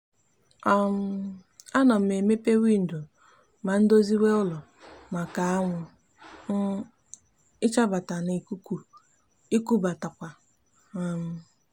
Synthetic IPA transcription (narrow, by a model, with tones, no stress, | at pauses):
ɔ˦m̩˦a˦nɔ˨m̩˨me˨me˦pe˦wi˦n̩˨do˨ | ma˨n̩˦do˦zi˦we˦ʊ˦lɔ˨ | ma˨ka˨˦a˦ŋʷʊ˨ | n̩˦ | ɪ˦t͡ʃa˦ba˨ta˨ni˨ku˦ku˨ | i˦ku˦ba˨ta˨kʷa˨ | a˨m̩˨˦